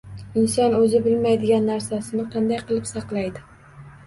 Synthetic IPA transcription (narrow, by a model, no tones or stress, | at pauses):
ɪnsɒnɵzɪbɪlmajd̪ɪɡʲanːaɾsasɪnɪqʰɑnd̪ajqɨlˠɪpsɑqlˠajd̪ɪ